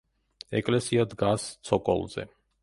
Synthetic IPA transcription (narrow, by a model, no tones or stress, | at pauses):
ɛkʼlɛsiad̪ɡast̪sʰɔkʼɔ̰lˠzɛ̰